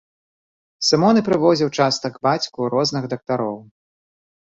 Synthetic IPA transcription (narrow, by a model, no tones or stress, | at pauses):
sɨmɔnɨpɾɨvɔzʲiwt͡ʂast̪ɐɡbat͡sʲkuɾɔznɨɣd̪ɐk̚t̪aɾɔw